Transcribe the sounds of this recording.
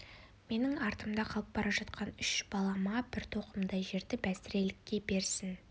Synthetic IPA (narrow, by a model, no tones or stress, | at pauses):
me̞nɪŋɑɾt̪əmd̪ɑqʰɑlˠəp̚bɑɾɑʒɑt̪qʰɑnʏʃb̥ɑlˠɑmɑbɪɾt̪ʰo̞qəmd̪ɑjʒe̞ɾd̪ɪbæst̪ɪɾe̞lɪkʲːe̞be̞ɾsɪn